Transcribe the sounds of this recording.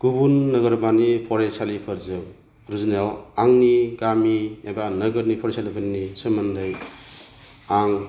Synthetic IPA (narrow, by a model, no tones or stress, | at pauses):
ɡ̥ubunːɐɡɐɾbanipʰɔɾesalipʰɯɾzɯw | ɾuznjawaŋniɡamiebanɐɡɯɾnipʰɔɾesalipʰaninisɯmandɯj | aŋ